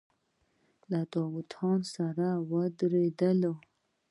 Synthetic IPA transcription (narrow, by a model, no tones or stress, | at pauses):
lat̪ɑwut̪ʰɑnsaɾawəd̪ɾed̪əlo